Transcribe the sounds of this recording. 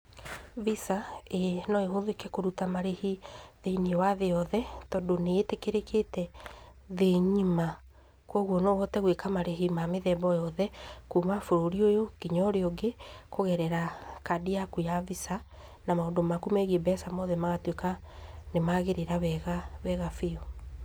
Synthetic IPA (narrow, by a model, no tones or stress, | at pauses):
visaenɔeɦoðokɛkoɾutamaɾehiðeniwaðeɔðɛtɔdoneetekeɾekʰetɛ | ðeɲima | kwɔɣwɔnɔwɔtɛɣwekamaɾeɦimameðɛbɔjɔðɛkumafoɾoɾiojokiɲɔɾeɔɡekoɣɛɾɛɾakadiakujavisa | namaodomakumɛɣiebɛsamɔðɛmaɣatwekanemaɣeɾeɾawɛɣawɛɣafeɔ